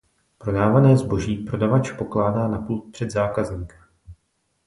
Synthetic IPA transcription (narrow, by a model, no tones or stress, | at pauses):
pɾo̞daːvanɛːzbo̞ʒiːpɾo̞davat͡ʃpo̞klaːdaːnapult̪̚pr̝̥ɛd̪zaːkazɲiːkḁ